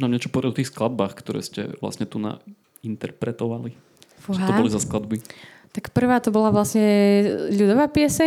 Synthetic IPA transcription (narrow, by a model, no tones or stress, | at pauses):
naːmɲɛt͡ʃɔ̥pɔɾɛfɔt̪ixsklad̪̚baːxkt̪ɔɾɛ̰ːscɛ̰ʋla̰sɲɛt̪una̰ | int̪ɛɾpɾɛt̪ɔʋali | fuɦatɔbɔlizasklad̪bi | t̪akpr̩ʋaːt̪ɔbɔlaʋlasɲɛʎud̪ɔʋaːpɪɛsɛ